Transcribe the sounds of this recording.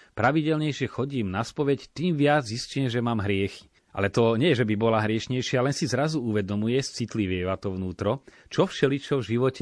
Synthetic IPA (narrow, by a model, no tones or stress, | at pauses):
pɾaʋiɟɛlɲɛjʃɪɛxɔɟiːmnaspɔʋɛct̪iːmʋɪad͡zɦiscɛmʒɛmaːmɦɾɪɛxi̥ | ʔa̰lɛt̪ɔɲɛjɛʒɛbibɔlaɦɾɪɛʃɲɛjʃɪalɛnsizɾazuuʋɛd̪ɔmujɛst͡sit̪liʋɪɛʋat̪ɔʋnuːt̪ɾɔt͡ʃɔfʃɛlit͡ʃɔvʒiʋɔcɛ